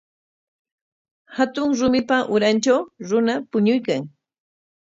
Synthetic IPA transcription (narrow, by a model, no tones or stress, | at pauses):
hat̪ʊŋɾʊmɪpaʔʊɾant͡ʃawɾʊnapʊɲʊjkaŋ